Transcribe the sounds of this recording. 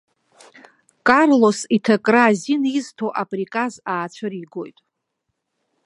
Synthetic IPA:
kʼarlo̞sitʰakʼraziniztʰoʔapʼrikʼazaːt͡ʃʷʰaɾiɡo̞̰jtʼ

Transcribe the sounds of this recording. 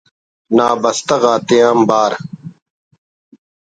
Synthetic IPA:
naːbɐst̪ɐɣaːt̪ejaːmbaːɾ

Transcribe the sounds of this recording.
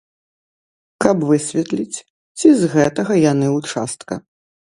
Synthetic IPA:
kɐbvɨsʲvʲɛt̪lʲit͡sʲ | t͡sʲizɣɛt̪ɐɣɐjanɨut͡ʂa̰st̪kɐ̰

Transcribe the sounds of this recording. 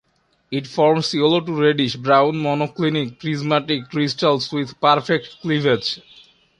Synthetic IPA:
iʈfɔɾmsjoloʈuɾeɖiʃbɾãʊ̃nmɔnoklinikːɾizmaʈikːɾisʈalswid̪paɾfek̚ʈklived͡ʒ

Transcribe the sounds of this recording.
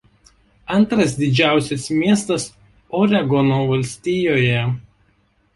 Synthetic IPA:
ɐnˑt̪ɾɐs̬d̪ʲɪd͡ʒʲæˑʊsʲɛsmʲiɛst̪ɐs | ɔɾʲɛɡɔnoːʋɐlʲsʲt̪ʲiːjoːjɛ

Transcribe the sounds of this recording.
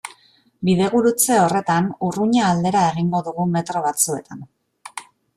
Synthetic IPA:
biðe̞ɣuɾut͡se̞o̞re̞t̪anuruɲaːld̪e̞ɾae̞ɣiŋɡo̞ðuɣume̞t̪ɾo̞βat͡sue̞t̪an

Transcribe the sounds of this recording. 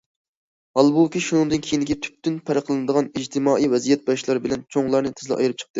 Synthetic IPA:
hɑlˠbukʲiʃunɨŋd̪ɨnkʲʰejind̪ɪkʲit̪ʰy̥p̚t̪ynpʰɛɾəqʰlˠɨnɨd̪əʁɑnid͡ʒt̪ʰɪmɑːʔijwɛzijɛt̪̚bɑʃlˠɑɾɨbɪlɛnt͡ʃʰoŋlˠɑɾnɨt̪ʰɪzlɪ̰ʔɑ̰jɨɾɨp̚t͡ʃʰə̥q̚t̪ɨ

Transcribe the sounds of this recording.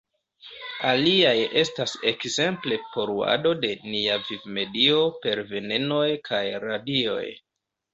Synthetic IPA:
aliaje̞stase̞kze̞mple̞po̞ɾua̰do̞de̞niavivme̞dio̞pe̞ɾve̞ne̞no̞jkʰajɾadio̞̰j

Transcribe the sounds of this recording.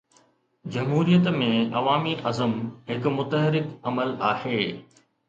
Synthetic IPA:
d͡ʑɐmɦuːɾijət̪mẽɐʋaːmiʔɐzəmɦɪkʊmʊt̪əɦɪɾɪkɐməlaːheː

